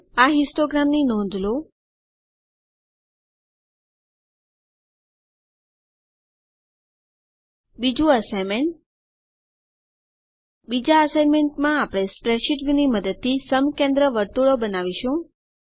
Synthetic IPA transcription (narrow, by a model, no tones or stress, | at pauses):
aɦisʈoɡɾamninɔ̃nd̪ʱlo | bid͡ʒũəsajmeɳʈ̚ | bid͡ʒaəsajnmeɳʈmãːpɽ̃espɾeʃiʈʋiniməd̪əd̪̚t̪ʰisəmkẽnd̪ɾəʋəɾt̪uɭobənaʋiʃũ